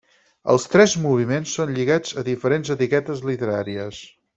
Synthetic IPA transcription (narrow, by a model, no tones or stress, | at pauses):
ə̰lˠst̪ɾɛzmuβ̞imensːonʎiɣad͡zəðifəɾenzət̪ikɛt̪əzlit̪əɾaɾiəs